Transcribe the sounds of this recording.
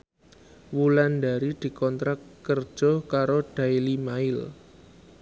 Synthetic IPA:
wuland̪a̤ɾid̪̥i̤kɔnt̪ɾakːərd̥ʒ̥ɔ̤hkaɾod̥a̤ilimaɪl

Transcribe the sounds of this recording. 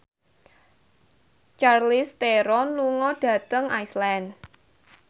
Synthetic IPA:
t͡ʃarlist̪eɾɔnluŋɔɖ̥ä̤t̪əŋajslɛn

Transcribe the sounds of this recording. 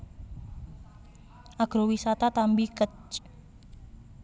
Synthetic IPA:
ʔaɡ̥ɾowisat̪at̪ambikət͡ʃ

